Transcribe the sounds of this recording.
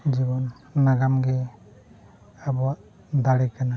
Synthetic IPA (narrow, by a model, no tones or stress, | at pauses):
d͡ʒibɔnː | aɡamɡɛ | abɔwaʔ | d̪aɽikana